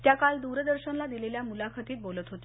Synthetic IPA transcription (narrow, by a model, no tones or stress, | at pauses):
t̪jakald̪uɾd̪əɾɕənlad̪ileljamulakʰat̪iːt̪̚bolət̪ɦot̪i